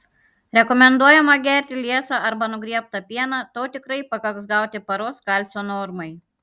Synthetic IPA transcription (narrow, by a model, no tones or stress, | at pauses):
ɾʲɛkɔmʲɛnd̪uɔjɛmɐɡʲæˑɾʲt̪ʲɪlʲiɛsɑːɐɾbɐnʊɡɾʲiɛp̚t̪ɐpʲiɛnɑːt̪oːt̪ʲɪkɾɐɪpɐkɐksɡɑˑʊt̪ʲɪpɐɾoːskɐlʲt̪sʲoːnɔːɾmɐɪ